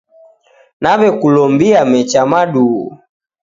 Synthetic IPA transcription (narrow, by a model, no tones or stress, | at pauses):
naβɛkulɔmbiamɛt͡ʃamaɗuu